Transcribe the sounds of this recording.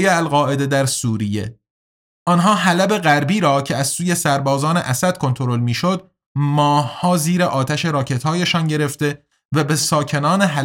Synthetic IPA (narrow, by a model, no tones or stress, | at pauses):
jeælɣɒːʔe̞d̪e̞d̪æɾsuːɾije̞̰ | ʔɒnɦɒːɦælæbe̞ɣæɾbiːɾɒːcʰe̞æz̥suːje̞sæɾbɒːzɒːne̞̰ʔæsæd̪̥̚kʰo̞nt̪ʰo̞ɾo̞lmiːʃod̪̚ | mɒːhhɒːziːɾeʔɒːt̪ʰæʃe̞ɾɒːcʰe̞t̪hɒːjeʃɒːnɟe̞ɾe̞ft̪e̞ | væbe̞sɒːcʰe̞nɒːneɦæ